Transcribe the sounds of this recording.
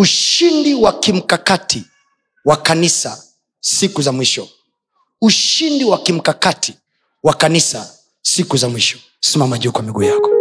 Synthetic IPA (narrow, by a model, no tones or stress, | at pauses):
uʃindiwakim̩kakati | wakanisa | sikuzamwiʃɔ | uʃindiwakim̩kakatʰi̥ | wakanisa | sikuzamwiʃɔ̥ | simamaʄukwamiɡuːjakɔ̥